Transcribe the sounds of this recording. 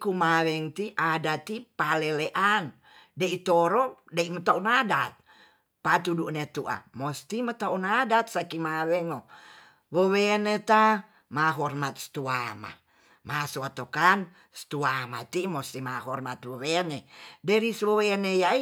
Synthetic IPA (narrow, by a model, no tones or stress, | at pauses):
kumawɛŋt̪iʔadat̪ipaleleʔan | deit̪oɾɔdeimət̪aunadat̪̚ | pat̪uduʔnet̪uʔa̰mɔst̪imət̪aunadat̪̚sakimawɛŋo | wowenet̪a | maɦɔrmat̪̚st̪uama̰ | masoat̪okan | st̪uamat̪imɔst̪imaɦɔrmat̪wowenedɛɾiswowenejai